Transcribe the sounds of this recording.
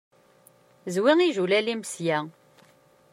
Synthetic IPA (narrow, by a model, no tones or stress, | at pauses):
zwiŋiʒulælimsjæ